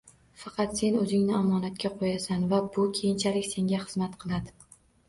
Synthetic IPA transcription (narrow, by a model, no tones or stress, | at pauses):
fɑqʰɑt̪se̞nɵzɪŋnɪamɒːnat̪kʲaqʰojasanvabʊkʲʰe̞jɪnt͡ʃʰalɪkʲse̞ŋʲaχɨzmat̪qʰɨlˠad̪ɪ